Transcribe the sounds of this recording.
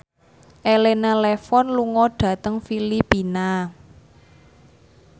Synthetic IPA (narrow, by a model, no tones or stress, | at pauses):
ʔelenalɛfɔnluŋɔɖ̥ä̤t̪əŋfilipina